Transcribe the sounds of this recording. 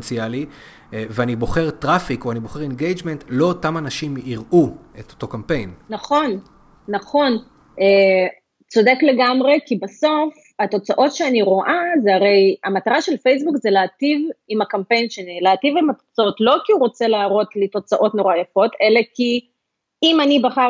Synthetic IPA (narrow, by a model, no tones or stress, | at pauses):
nt͡siali | veanibo̞χe̞ʁtʁafikoaniboχeʁenɡejd͡ʒmentlo̞ːtamanaʃimiʁʔuetoto̞kampe̞jnnaχo̞nː | aχo̞n | e | t͡so̞dekle̞ɡamʁe̞kibaso̞f | ato̞t͡saʔo̞tʃeaniʁo̞ʔazeaʁe̞jamataʁaʃe̞lfejs̬bukzeleaːtivimakampe̞jnʃenileativimato̥t͡sao̞tlo̞kiuʁo̞t͡se̞laːʁo̞tlito̞t͡saʔo̞tno̞ʁajafo̞te̞le̞ki | imanibaχa